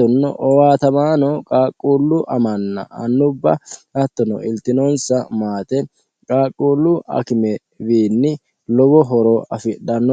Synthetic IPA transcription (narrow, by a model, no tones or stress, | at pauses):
ɔnːɔ̰ʔɔwaːt̪ɐmaːnɔkʼaːkʼːuːlːʊʔɐmɐnːɐ̰ɐnːʊbːɐɐt̪ːɔnɔ̰ɪlt̪ɪnoːnsɐmaːt̪ɛ | kʼaːkʼːuːlːʊʔɐ̰kɪmɛ | biːnːɪ | lɔbɔɦɔɾɔɐfɪɗɐnːɔ